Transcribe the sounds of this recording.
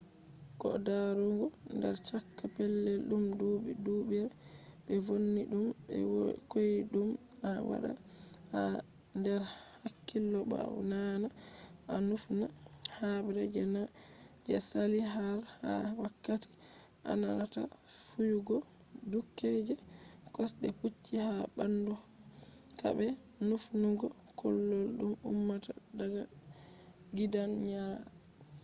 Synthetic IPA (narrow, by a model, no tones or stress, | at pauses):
kɔ̰daɾɔŋɡɔ | ndɛ̰ɾt͡ʃakːapɛlːɛɗumdoːɓiduɓiɾ | ɓɛvonːiɗumɛ̰wkojiɗum | awa̰ɗa̰ | ha | ndɛɾ | hakːilːɔba̰wnana | ʔanufna | habɾɛd͡ʒɛna | d͡ʒɛsaliɦalha̰wakːati̥ | ʔa̰nanata̰ | fujuɡɔ | dukːed͡ʒɛ | kɔsɗɛput͡ʃːihabandɔ | ta̰bɛ | nufnuɡɔ | kʰɔlːolɗumṵmːata̰ | daɡa | ɡidanɲaː